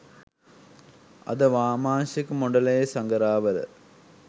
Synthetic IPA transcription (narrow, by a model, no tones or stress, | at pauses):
ɐ̰d̪əʋaːmaːnʃikmoɳɖɐlɐjesɐŋɡɐɾaːʋɐl̰